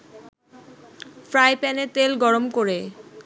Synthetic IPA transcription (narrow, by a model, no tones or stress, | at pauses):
fɾajpɛnet̪elɡɔɾomkoɾe